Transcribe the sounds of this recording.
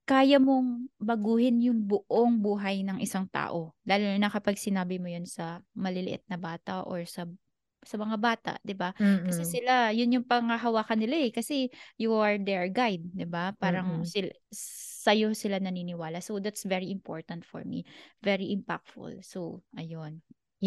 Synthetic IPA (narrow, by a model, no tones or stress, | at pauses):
kaːjɐmoŋbɐɡuːhɪnjʊŋbʊʔoŋbuːɦɐjnɐŋʔɪsaŋt̪a̰ːʔo̞laːlʊnɐkɐpɐɡ̚sɪnaːbɪmojonsɐmɐlɪlɪʔɪ̰t̪̚nɐbaːt̪ɐʔʔo̰ɹsɐ | sɐmɐŋabaːt̪a̰ʔd̪ɪbakɐsɛsɪlajʊnjʊŋpɐŋɐɦɐwaːkɐnɪlaʔɛkɐsɛjuɐɹd̪ɛɹɡajd̪̚d̪ɪbapaːɾɐŋsɪ | sɐjosɪlanɐninɪwaːlɐsod̪at̪svɛɹiʔɪmpo̰ɹt̪ɐnt̪fɔ̰ɹmḭvɛɹiʔɪmpa̰k̚t̪fʊ̰lsoʔɐjon